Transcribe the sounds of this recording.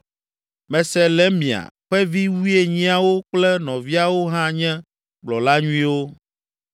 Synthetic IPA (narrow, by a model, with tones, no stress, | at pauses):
mɛ̃˨sɛ˦lɛ˦mĩ˨a̰˨ɸɛ˦vi˦wu˦e˦ɲĩ˦a˦wo˦k͡plɛ˦nɔ̃˨vi˦a˨wo˦ɦã˦ɲɛ̃˦ | ɡ͡blɔ˨la˦ɲũ˦ĩ˦wo˦